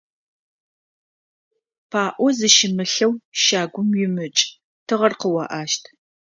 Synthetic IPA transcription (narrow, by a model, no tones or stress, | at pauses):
pʰaːʔʷɔzɨʃɪmɨɬɐwʃaːɡʷʊmjɪmɨt͡ʃʼ | tʰɨʁɐrqəwɐ̰ʔaːʃtʰ